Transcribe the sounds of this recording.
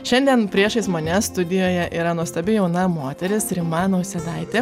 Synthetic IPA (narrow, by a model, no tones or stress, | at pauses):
ʃʲɛnʲd̪ʲiɛnpʲɾʲiɛʃɐɪsmɐnʲɛst̪ʊd̪ʲɪjoːjɛʔiːɾɐnuɔst̪ʲɛbʲɪjɛʊnɐmoːt̪ʲɛɾʲɪsɾʲɪmɑːnoːsʲɛd̪ɐɪt̪ʲeː